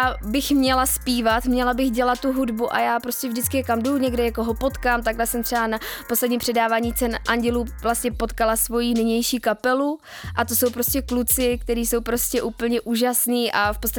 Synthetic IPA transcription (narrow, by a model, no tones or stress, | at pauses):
jabɪxmɲɛlaspiːvat̪mɲɛlabɪxɟɛlat̪̚tːuɦudbuʔa̰jaːpɾo̞scɛvʒdɪt͡skɪjɛkamduɲɛɡdɛɲɛkoɦopo̞t̪kaːmt̪aɡlɛsɛmt̪r̥ɛbanapo̞slɛdɲiːmpr̝̥ɛdaːvaːɲiːt͡sɛnʔaɲɟɛluːvlastɲɛpo̞t̪kalasvo̞jiːnɪɲɛjʃiːkapɛlu | ʔat̪o̞so̞wpɾo̞scɛklut͡sɪk̚t̪ɛɾiːso̞wpɾo̞scɛʔuːpl̩ɲɛʔuːʒasniːʔafpot͡sst̪a